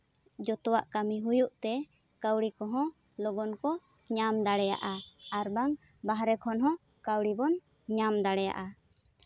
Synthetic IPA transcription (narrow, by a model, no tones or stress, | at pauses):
d͡ʒɔt̪ɔwa̰ʔkamiɦujuʔt̪ɛ | kawɽikɔɦɔ̃ | lɔɡɔnkɔ | ɲamd̪aɽɛja̰ʔaaɾbaŋ | baɦɾɛkʰɔnɦɔ̃ | kawɽibɔn | ɲamd̪aɽɛja̰ʔa